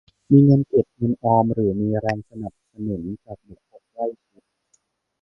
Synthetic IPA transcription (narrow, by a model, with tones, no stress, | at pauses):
miː˧ŋɤ˧nke˨˩t̪̚ŋɤ˧nʔɔː˧mɾɯː˩˦miː˧ɾɛː˧ŋsa˧na˨˩p̚sa˧nu˩˦nt͡ɕaː˨˩k̚mu˨˩˦pʰo˦˥p̚la˥˩jsʰi˨˦t̪̚